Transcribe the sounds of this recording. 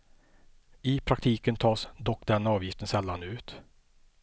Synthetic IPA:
ɪpʰɾakt̪ʰiːkənt̪ʰɑːsd̪ɔkːd̪ɛnɑːvjɪft̪ənsɛlːanʉ̟ːt̪

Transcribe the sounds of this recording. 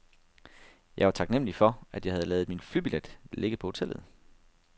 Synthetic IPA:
jɑ̈ɪʋɑ̈t͡sʰɑ̈ɡ̥nem̰lifɒ̽æd̥jɑ̈ɪhæð̩ˠlɛːð̞̩ˠminflyb̥iled̥le̝ɡ̥əpʰɒ̽ho̝t͡sʰel̰ð̞̩ˠ

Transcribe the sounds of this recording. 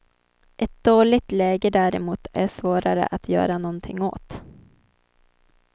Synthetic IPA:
ʔɛt̪̚d̪oːɭɪt̪lɛːɡəd̪æɾɛmuːt̪æʂvoːɾaɾə̰ʔat̪ʰjœ̰ːɾanɔnt̪ʰɪŋːo̰ːt̪

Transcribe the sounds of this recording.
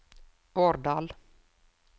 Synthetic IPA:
b̥oːɾɖɑːl

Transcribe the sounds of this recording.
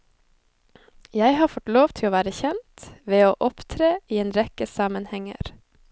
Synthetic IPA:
jæɪhɑːfɔt̪loːʋt̪ʰɪloːʋæːɾəçɛnt̪ʋeːoːʔɔpt̪ʰɾeːiːeːnɾɛkəsɑmənhɛŋə̰ɾ

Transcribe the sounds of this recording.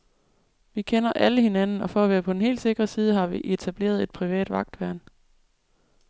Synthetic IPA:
ʋikʰenɐʔæləhe̝nænn̩ɒ̽fɒæʋæːɐpʰɒ̽d̥en̩he̝̰ːld̥se̝ɡ̥ʁɐsiːð̞ˠəɦɑ̈ʋiʔe̝t͡sʰæb̥le̝̰ːɐð̞ˠe̝d̥pʰʁiʋɛ̰ːd̥ʋɑ̈ɡ̥̚d̥ʋæɐ̰n

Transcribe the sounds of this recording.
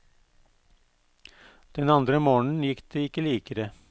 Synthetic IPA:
d̪̥ɛnɑnd̪ɾəmoːɳn̩jɪkːd̪eɪkːəliːkəɾə

